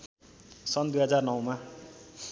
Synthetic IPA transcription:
sʌnd̪ujɦʌd͡zarnʌwma

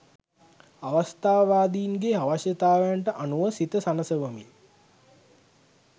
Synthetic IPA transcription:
aʋast̪aːʋʋaːd̪iːnɡeaʋaʃjət̪aːʋəjaɳʈəʔanuʋəsit̪əsanəsəʋəmḭl

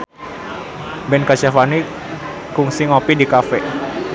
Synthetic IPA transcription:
bɛnkat͡ʃafani | kuŋsiŋɔpidikafɛ

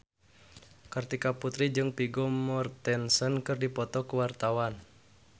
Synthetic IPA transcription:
kart̪ikaput̪ɾid͡ʒɨŋpiɡɔmɔrt̪ɛnsənkɨrdipɔt̪ɔkəwart̪awan

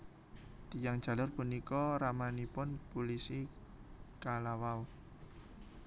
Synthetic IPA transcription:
t̪ijaŋd̥ʒ̥ä̤lʊrpunikɔɾamanipʊnpulisi | kalawau

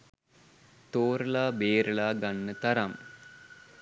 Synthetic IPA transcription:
t̪oːɾəlaːbeːɾəɭaːɡanːət̪ɐɾam

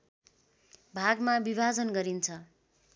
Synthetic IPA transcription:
bʱaɡmabibʱad͡zʌnɡʌɾint͡sʰʌ

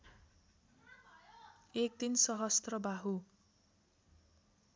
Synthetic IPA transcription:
ek̚t̪insʌɦʌst̪rʌbaɦu

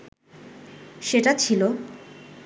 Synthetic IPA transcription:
ʃeʈat͡ɕʰilo

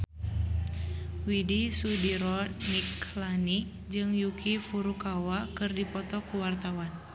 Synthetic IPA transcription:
widisudiɾɔniklani | d͡ʒɨŋjukʰifuɾukawakɨrdipɔt̪ɔkuwart̪awan

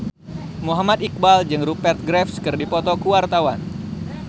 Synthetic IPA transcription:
muɦamat̪ik̚bald͡ʒɨŋɾupɛrt̪̚ɡɾɛfskɨrdipɔt̪ɔkuwart̪awan

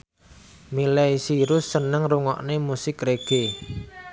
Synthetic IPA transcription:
milaisiɾʊsːənəŋruŋɔ̰ʔnemusɪkreɡ̥e

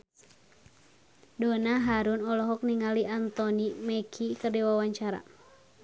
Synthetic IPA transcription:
dɔnaɦaɾunɔlɔɦɔk̚niŋaliʔant̪ɔnimɛkʰikərdiwawaɲt͡ʃaɾa̰

